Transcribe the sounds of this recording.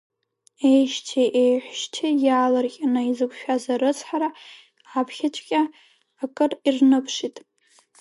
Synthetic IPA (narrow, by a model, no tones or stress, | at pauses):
ejʃtʰeʔejħʷʃtʰejaːlarkʲʼanaizɨkʷʰʼʃᶣazaɾɨt͡sʰʼħaɾa | apʰχʲat͡ʃʷʼkʲʼaː | kʼɨrirnɨpʰʂitʼ